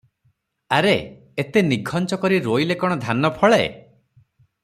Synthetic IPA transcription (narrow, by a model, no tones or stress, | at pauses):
aɾe | et̪eniɡʱɔnt͡ʃɔkɔɾiɾojlekɔɽ̃ɔd̪ʱanɔpʰɔɭḛ